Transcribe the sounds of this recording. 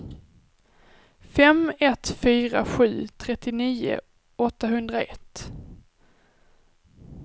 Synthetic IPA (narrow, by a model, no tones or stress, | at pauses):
fɛmɛt̪fyːɾa̰ɧʉ̟ːt̪ʰɾɛt̪ːɪniːʊ̰ | ɔt̪ːaɦɵnd̪ɾaɛt̪ː